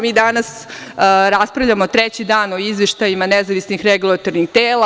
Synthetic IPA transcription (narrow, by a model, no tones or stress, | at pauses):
miːd̪anas | ɾaspɾavʎamot̪ɾet͡ɕid̪aːno̞izʋeʃt̪ajimanezaʋisnixɾeɡulˠat̪o̞ɾnixt̪eːlˠa